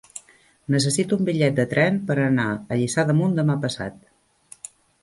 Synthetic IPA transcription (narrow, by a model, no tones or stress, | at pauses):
nəs̬əsit̪uumbiʎɛt̪̚d̪ət̪ɾɛmpəɾənaəʎisaðəmund̪əmapəsa̰t̪